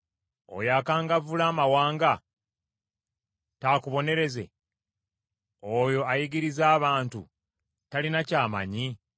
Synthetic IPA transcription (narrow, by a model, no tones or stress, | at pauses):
o̰jakaːŋɡavulaːmawaːŋɡa | taːkuβo̞ne̞ɾe̞ze̞̰ | ojo̞ajiɡiɾizaːβaːntu | talinacaːma̰ɲi